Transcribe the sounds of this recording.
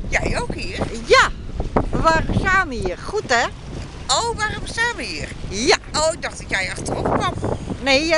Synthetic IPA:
jɛjowkhiərja | ʋarsaːməiərxutɛ | owʋaromsaːməhiərjaoːɪk̚dɑxtɔtjɛjaxtəropkʋɔmneː

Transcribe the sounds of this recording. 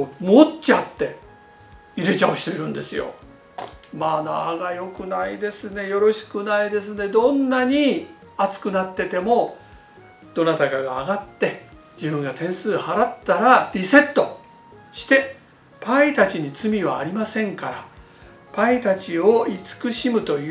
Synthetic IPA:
mott͡ɕiat̪ːe̞ | iɾe̞t͡ɕao̟ɕi̥t̪e̞ɾɯ̟̃nd̪e̞sɨjo̞̰ | maːna̰ɡajo̞kɯ̟naid̪e̞sɨne̞jo̞ɾo̞ɕi̥kɯ̟naid̪e̞s̬ɨne̞d̪õ̞nːaɲ̟i | at͡sɨ̥kɯ̟nat̪ːe̞t̪e̞mo̞ | d̪̥o̞nat̪aɡaɡaːɡat̪ːe̞ | d͡ʑibɯ̟̃ŋɡat̪ẽ̞ɰ̃sɨːhaɾat̪ːaɾaɾʲise̞t̪ːo̞ | ɕi̥t̪e̞ | pait̪at͡ɕiɲ̟it͡sɨmʲiβa̰ːɾʲimasẽ̞ŋkaɾa | pait̪at͡ɕio̞it͡sɨ̥kɯ̟ɕimɯ̟t̪o̞j

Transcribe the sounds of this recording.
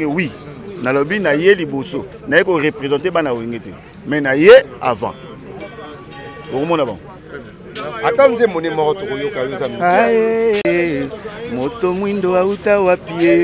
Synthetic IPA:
ewinalobinajeliboso | naikoʁepʁezɑ̃tebanaoeŋɡetɛ | mɛnajea̰vã̰ | bokomɔnaba̰ŋɡo | atanzemonemɔkɔtokojokajonzamiae | motomwindoautawapie

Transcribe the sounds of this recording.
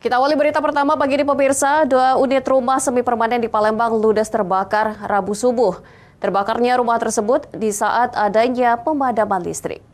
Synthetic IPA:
kit̪awalibəɾit̪apərt̪amabaɡidipəmirsaduaunɪt̪rumahsəmipərmanɛndipalɛmbaŋludɛst̪ərbakarrabusubʊh | t̪ərbakarɲaɾumaht̪ərsəbʊt̪̚disaʔat̪adaɲapəmadamanlḭst̪ɾɪ̰k̚

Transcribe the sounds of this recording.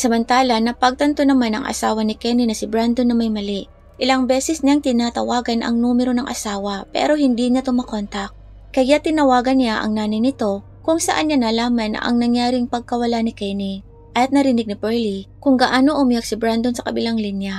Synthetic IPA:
sɐmɐnt̪aːlɐnɐpɐɡ̚t̪ɐnt̪onɐmanɐ̰ŋʔɐ̰saːwɐnɪkɛninɐsɪbɾand̪onːɐmɐjmɐlɪʔ | ʔɪlɐŋbɛːsɛsɲaŋt̪ɪnaːt̪ɐwaːɡɐnʔɐ̰ŋnuːmɛɾo̞nɐŋʔɐ̰saːwɐpɛ̰ːɾo̞ɦɪnd̪iɲat̪ʊmakont̪ɐk̚ | kɐjat̪ɪnɐwaːɡɐnːjaʔɐ̰ŋnaːnɐjnɪt̪o̞ | kʊŋsɐʔanɲanɐlaːmɐn̰ʔɐ̰ŋnɐŋjaːɾɪŋpɐɡ̚kɐwɐlanɪkɛni | ʔɐt̪̚nɐɾɪnɪɡ̚nɪpɛɹlikʊŋɡɐʔaːnoʔʊmijak̚sɪbɾand̪o̞nsɐkɐbɪlaŋlinja

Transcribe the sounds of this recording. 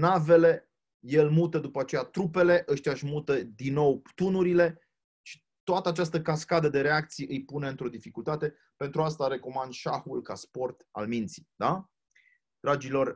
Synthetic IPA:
nave̞le̞ | je̞lmut̪əd̪upəat͡ʃe̞jat̪ɾupe̞le̞ʔəʃt̪ʲiaʃmut̪əd̪inːo̞wpt̪unuɾile̞ | ʃi̥ | t̪oat̪əat͡ʃast̪əkaskad̪əd̪e̞ɾe̞ak̚t̪sijeʔɨjpune̞ɨnt̪ɾo̞d̪ifikult̪at̪e̞ | pe̞nt̪ɾuast̪aɾe̞ko̞mand̪ʃaxulkaspo̞rt̪a̰lmint̪si̥d̪a | d̪̥ɾad͡ʒilo̞r

